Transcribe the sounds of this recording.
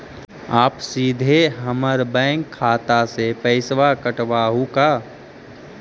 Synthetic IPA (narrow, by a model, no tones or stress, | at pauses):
aːpsiːd̪ʱeɦəməɾbɛ̃ːŋkʰːaːt̪asepəɪsʋakəʈʋaːɦukaː